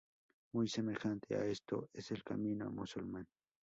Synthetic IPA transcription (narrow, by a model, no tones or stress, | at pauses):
mujse̞me̞xant̪ʰea̰est̪o̰ese̞lkamĩnoa̰musulmãn